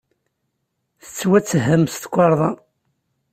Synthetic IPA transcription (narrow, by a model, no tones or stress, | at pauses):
θə̥t͡sːwæt͡sːɦəmst̪kʷːɑɾˤðˤɑ